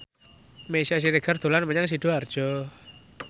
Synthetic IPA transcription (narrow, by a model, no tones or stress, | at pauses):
mesas̬iɾeɡ̥a̤rd̪̥o̤lanpəɲaŋs̬id̪̥uard̥ʒ̥ɔ